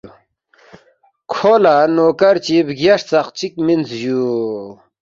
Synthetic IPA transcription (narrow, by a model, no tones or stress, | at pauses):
kʰolanoːkɐɾt͡ɕibɡaʂt͡saqt͡ɕik̚minzju